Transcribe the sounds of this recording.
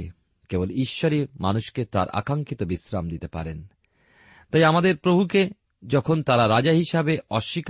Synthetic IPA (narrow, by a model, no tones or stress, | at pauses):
keboliʃːoɾimanuʃket̪a̰ɾa̰kaŋkit̪obisɾamd̪it̪epa̰ɾen | t̪ajamad̪eɾpɾobʱuke | d͡ʑɔkʰont̪aɾaɾad͡ʑaɦiʃabeɔʃːik